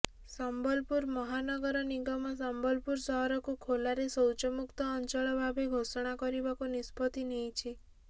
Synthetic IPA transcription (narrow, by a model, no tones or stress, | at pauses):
sambɔlpuɾmɔɦanɔɡɔɾɔniɡɔmɔsambɔlpuɾsɔɦɔɾɔkukʰolaɾesɔwt͡ʃɔmukt̪ɔːnt͡ʃɔɭɔbʱabʱeɡʱosɔɽ̃akɔɾibakunispɔt̪inejt͡ʃʰi